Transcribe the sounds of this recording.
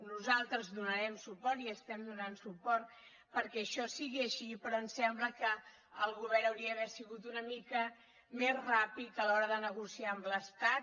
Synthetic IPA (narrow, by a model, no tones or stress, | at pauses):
nuzalˠt̪ɾəzðunəɾɛmsupɔɾt̪iəst̪ɛmd̪unansupɔɾt̪̚ | pəɾkɛəʃɔsiɣiəʃipɾɔənsɛmbləkə | əlˠɣuβɛɾəwɾiəːβɛsiɣut̪unəmikə | mezrapit̪əlɔɾəðənəɣusiaəmləst̪a